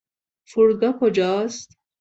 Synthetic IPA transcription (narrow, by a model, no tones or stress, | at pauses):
fuɾɡɑkʰod͡ʒɑːst̪